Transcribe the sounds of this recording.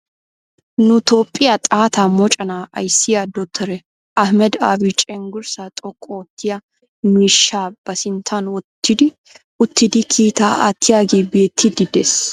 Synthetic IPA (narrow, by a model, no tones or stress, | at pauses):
nʊt̪o̞ːpʼːɪjɐt̪ʼaːt̪ʰaːmɔt͡ʃʼɐnaːʔɐ̰jsɪjad̪ɔt̪ʰːɛɾɛ | ʔɐhmɛd̪a̰ːbit͡ʃʼɛŋɡʊɾsaːt̪ʼɔkʼːɔwɔt̪ːɪjɐ | mʊɪʃːaːb̥ɐsɪnt̪ʰanwɔt̪ːɪd̪ɪ | ʊt̪ʰːɪd̪ɪkʰiːt̪aːʔat̪ʰːɪjaːɡeːbe̞ːt̪ʰːɪd̪ɪd̪es